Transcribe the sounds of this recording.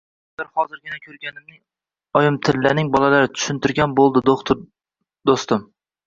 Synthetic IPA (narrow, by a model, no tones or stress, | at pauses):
aɾhɒzɪɾɡʲɪnakʲʰɵɾɡʲanɪmnɪŋ | ɒjɪmt̪ʰɪlːanɪŋbɒlalaɾɪt̪ʰʊ̥ʃɪnt̪ɪɾɡʲanbolˠd̪ɪd̪ot̪ | d̪ost̪ɪm